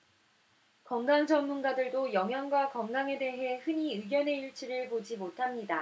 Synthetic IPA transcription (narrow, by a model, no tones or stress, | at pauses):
kʌŋɡaŋd͡ʑʌnmːunɡadɯɭdojʌŋɦjʌŋɡwakʌŋɡaŋe̞de̞ɦe̞hɯɲiɯɡjʌne̞iɭt͡ɕʰiɾɯɭpod͡ʑimotʰamɲida